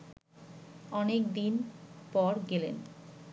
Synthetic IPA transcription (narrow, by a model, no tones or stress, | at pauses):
ɔnekd̪inpɔɾɡelḛn